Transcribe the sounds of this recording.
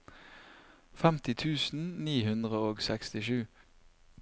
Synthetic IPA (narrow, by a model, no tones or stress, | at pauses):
fɛmt̪ɪt̪ʰʉːsn̩niːhʉnd̪ʁəoːɡsɛkst̪ɪʃʉː